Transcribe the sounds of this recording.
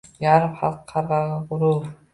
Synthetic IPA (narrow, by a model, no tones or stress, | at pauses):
jɑɾəpχɑ̰lˠqʰːɑɾʁɑʁɑquɾulˠ